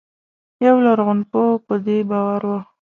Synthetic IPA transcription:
jawlaɾɣʊnpopəd̪ebɑwaɾwa

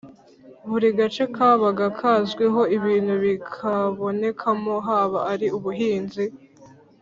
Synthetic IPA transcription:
βuɾiɡat͡ʃe̞kʰaːβaɡakʰazɡweɦo̞iβiːnhuβikʰaβo̞ne̞kʰamo̞ɦaːβaaɾiuβuɦiːnzi

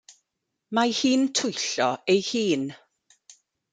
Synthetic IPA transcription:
mahiːntʰʊjɬɔejhiːn

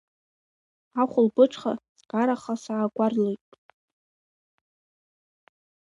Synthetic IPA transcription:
aχʷʊlbɨʈ͡ʂʰʼχa̰ | ɡ̥aɾaχasaːɡʷarlejtʼ

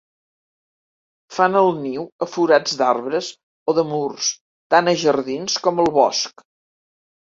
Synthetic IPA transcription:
fanəlˠniwəfuɾad͡zd̪arβɾəs | oðəmurs | t̪anəʒərðinskɔməlˠβɔsk

